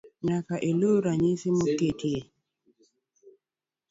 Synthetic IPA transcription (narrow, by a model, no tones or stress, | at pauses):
ɲakaʔeloɾaɲisimoketʰie